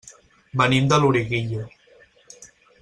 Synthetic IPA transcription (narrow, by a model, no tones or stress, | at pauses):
banimd̪aluɾiɣiʎo